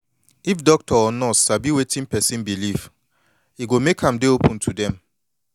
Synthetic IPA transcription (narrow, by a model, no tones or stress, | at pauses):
ifdɔk̚tʰɔɔnɔtsabiwetʰĩnpɛsĩnbiliv | iɡomekhãmdeopʰũntʰudɛ̃m